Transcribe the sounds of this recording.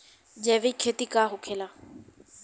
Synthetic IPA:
d͡ʑeːʋeikʰeːt̪ikaːɦʊkʰeːlaː

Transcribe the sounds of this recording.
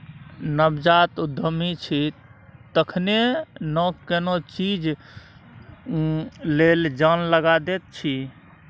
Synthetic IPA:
nəbd͡ʒat̪ud̪ʱəmit͡ʃʰit̪əkʰnenəkenot͡ʃid͡ʒ | leld͡ʒanləɡad̪et̪̚t͡ʃʰi

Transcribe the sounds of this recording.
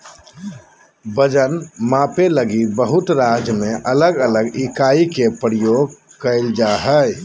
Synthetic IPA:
bəd͡ʒənmãpeləɡibəɦʊt̪ɾad͡ʒmẽʔələɡələɡikaikepɾjoɡkəɪld͡ʒaɦəj

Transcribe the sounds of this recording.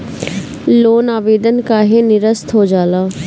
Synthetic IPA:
loːnaːʋeːd̪ənkaɦenɪɾəst̪ʰɦod͡ʒaːlaː

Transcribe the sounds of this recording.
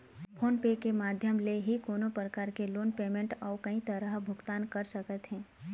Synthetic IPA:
pʰoːnpeːkemaːd̪ʱjəmleɦikoːnopɾəkaːɾkeloːnpeːmẽɳʈɔːɾkɐĩt̪ɐɾəɦbʱʊɡt̪aːnkɐɾsɐkət̪ɦɛ̃ː

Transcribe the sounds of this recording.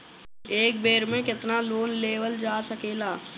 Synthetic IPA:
eːk̚beːɾmẽkɪt̪naloːnleːʋəld͡ʒaːsəkeːlaː

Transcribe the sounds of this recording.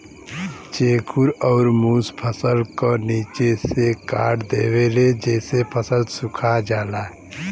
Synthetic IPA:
t͡ʃeːkʰuɾɔːɾmuspʰəsəlkoniːt͡ʃesekaːɽd̪eːweled͡ʒɛːsepʰəsəlsʊkʰad͡ʒaːlaː

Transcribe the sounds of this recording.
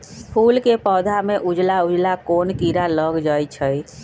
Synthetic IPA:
pʰulkepəd̪ʱameʔud͡ʒlaud͡ʒlakonkiɾaləɡd͡ʒajt͡ʃʰəj

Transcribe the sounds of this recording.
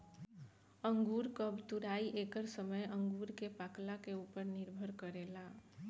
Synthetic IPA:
ə̃ŋɡuːɾkəbt̪uɾaːiʔeːkəɾsəməjə̃ŋɡuːɾkepaːklakeuːpəɾnɪɾbʱəɾkəɾeːla

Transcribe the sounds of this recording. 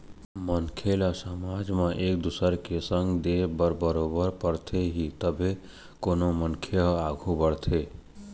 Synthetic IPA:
mənkʰelasəmad͡ʒmaʔek̚d̪usəɾkesəŋɡd̪ebəɾbəɾobəɾpəɾt̪ʰeɦit̪əbʱe | konomənkʰeɦaɡʱubəɽt̪ʰe

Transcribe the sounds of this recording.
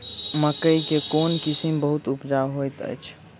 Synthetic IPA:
məkəjkekonkisimbəɦut̪upd͡ʒawɦojt̪ə̰jt͡ʃʰ

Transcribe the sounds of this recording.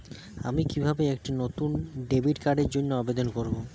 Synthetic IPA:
a̰mikibʱabeek̚ʈinot̪unɖebiʈkaɖeɾd͡ʑonːoabed̪onkoɾbo

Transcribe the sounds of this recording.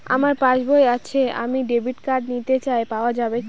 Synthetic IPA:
a̰maɾpãt͡ɕboeat͡ɕʰea̰miɖebʱiʈkaɖnit̪et͡ɕaepaoad͡ʑabe

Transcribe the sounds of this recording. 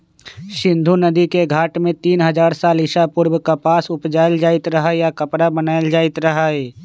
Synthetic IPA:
ʃɪ̃nd̪ʱunəd̪ikeɡʱaːʈmẽt̪iːnɦəd͡ʒaːɾsaːlɪʃapʊɾbkapaːsʊpd͡ʒaːɪld͡ʒaːɪt̪ɾɐɦajakəpɽabənaːɪld͡ʒaːɪt̪ɾɐɦaɛː

